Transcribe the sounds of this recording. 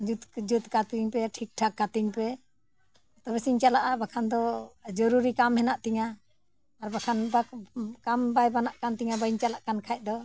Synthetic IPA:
d͡ʒut̪d͡ʒut̪kat̪iɲpɛʈʰik̚ʈʰakːat̪iŋpɛ | t̪ɔbɛsiɲt͡ʃalaʔabakʰand̪ɔd͡ʒɔɾuɾikamhɛnaʔt̪iŋaː | ɾbakʰanbakambajbanaʔkant̪iŋabaiɲt͡ʃalaʔkankʰajt̚d̪ɔ

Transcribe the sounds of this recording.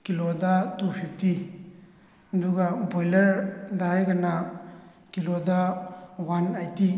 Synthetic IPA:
kilodɐtupʰip̚ti | ɐduɡɐbojlɐɾdajɡɐna | kilodawanajti

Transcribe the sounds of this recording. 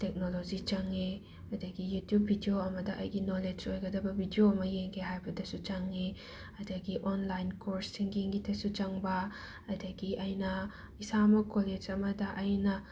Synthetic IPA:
tek̚nolod͡ʒit͡ʃɐŋːe | ɐdɐɡijutjubʱidioɐmɐdɐʔɐ̰jɡinoled͡ʒojɡɐdɐbɐbʱidioɐmɐjeŋkʰeɦajbɐdɐsut͡ʃɐŋːe | ɐdɐɡiʔonlajnkoɾsːiŋɡiŋɡitʰesut͡ʃɐŋbɐː | dɐɡiʔɐjnɐ | isamɐkoled͡ʒɐmɐdɐʔɐjnɐ

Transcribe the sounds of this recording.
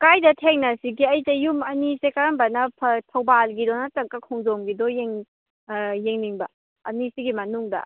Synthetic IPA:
kajdɐtʰeŋnɐsiɡiɐjdɐjumɐnisekaɾɐmbɐnɐpʰɐtʰɐwbalɡidɔnɐtɐk̚ːɐkʰɔŋzomɡidɔjeŋ | jeŋniŋbɐ̰ | ɐ̰nisiɡimɐnuŋdɐ̰

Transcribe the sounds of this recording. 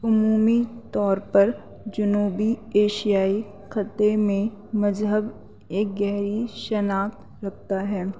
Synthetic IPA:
ʊmuːmit̪ɔːɾpɐɾ | d͡ʒʊnuːbieːʃijaːi | xɐt̪emẽ | mɐzɦəb | eːk̚ɡɛɦɾiʃənaːt̪ | ɾɐk̚ʰt̪aɦɛː

